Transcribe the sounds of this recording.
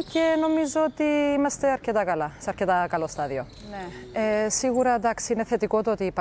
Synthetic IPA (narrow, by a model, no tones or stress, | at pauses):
ce̞no̞mizoot̪iimɐst̪e̞ɐɾcet̪ɐkɐlɐseɐɾcet̪ɐkɐlo̞st̪ɐðio̞ | neesiɣuɾɐed̪ɐksiineθe̞t̪iko̞t̪oot̪iːp